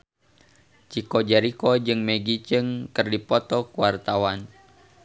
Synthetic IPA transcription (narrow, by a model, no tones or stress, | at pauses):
t͡ʃikɔd͡ʒaɾikɔd͡ʒɨŋmɛɡit͡ʃɨŋkɨrdipɔt̪ɔkuwart̪awan